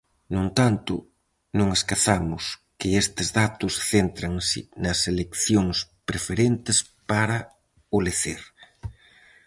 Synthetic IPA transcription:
nõnt̪ant̪ʊ̰ | nõŋeskaθamʊskɪest̪ɪzðat̪ʊsθent̪ɾaŋsɪ̰nɐselekθjoŋspɾefeɾent̪ɪs | paɾɐ | oleθeɾ

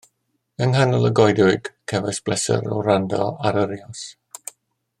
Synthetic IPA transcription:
əŋhanɔlˠəɡɔjdʊɨɡ̥kʰɛvajsb̥lɛsə̰ɾɔ̰wrandɔ̰aɾəɾiɔs

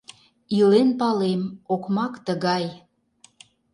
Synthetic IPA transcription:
ilenpɑlemokmɑkt̪əɣɑj

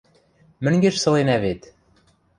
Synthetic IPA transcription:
mɘ̆ŋɡĕʃsɤ̆lˠenæβet̪

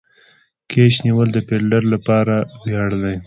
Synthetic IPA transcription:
kʰeʃniwəld̪əpelɖaɾlapɑɾawjɑɽd̪aj

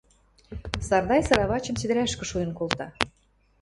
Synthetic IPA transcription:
sɑrd̪ɑjsɑɾɑβɑt͡ɕə̆msid̪ɘ̆ɾæʃkə̆ʃujə̆nkolt̪ɑ

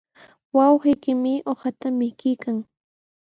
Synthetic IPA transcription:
wɑwɢɪjkɪmɪʔoχat̪amɪkɪjkaŋ

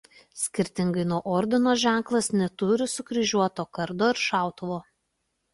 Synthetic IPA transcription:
sʲkʲɪɾʲt̪ʲɪŋɡɐɪnuɔʔɔɾʲd̪ʲɪnoːʒʲæˑŋˑklˠɐsnʲɛt̪ʊɾʲɪsʊkɾʲɪʒʲuɔt̪oːkɐɾd̪oːɪɾʃɑˑʊt̪ʊʋoː

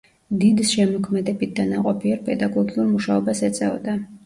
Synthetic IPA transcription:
d̪id̪sʃɛmɔkʰmɛd̪ɛbit̪̚ʰd̪anaqʼɔpʰiɛɾpʼɛd̪aɡɔɡiuɾmuʃaɔbasɛt̪sʼɛvɔd̪a

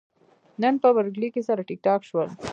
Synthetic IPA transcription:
nənpəbəɾɡlikesaɾaʈɪk̚ʈɑkʃwəl

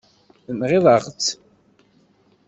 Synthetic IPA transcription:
əmʁɪðˤɑʁt͡sː

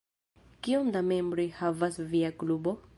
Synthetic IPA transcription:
kiomd̪amembɾihavasviaklubo̞

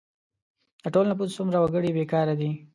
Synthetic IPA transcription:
d̪̥əʈolnap̬ussʊmɾawaɡəɽibekɑɾad̪i

